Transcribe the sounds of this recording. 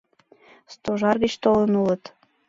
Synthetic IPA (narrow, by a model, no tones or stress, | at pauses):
st̪oʒɑrɣət͡ɕt̪olənulət̪